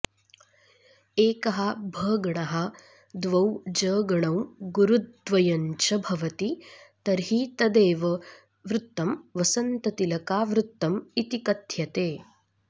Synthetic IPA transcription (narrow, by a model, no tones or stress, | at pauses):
eːkɐɦɐ̆bʱɐːɡɐɳɐɦɐ̆ | d̪ʋɐwd͡ʒəːɡɐɳɐwɡuɾud̪̚ʋɐjɐɲt͡ʃɐbʱɐʋɐt̪it̪ɐɾɦiːt̪ɐd̪eːʋɐ | ʋɾut̪ːɐmʋɐsɐnt̪ɐt̪ilɐkaːʋɾut̪ːɐmit̪ikɐt̪ʰjɐt̪eː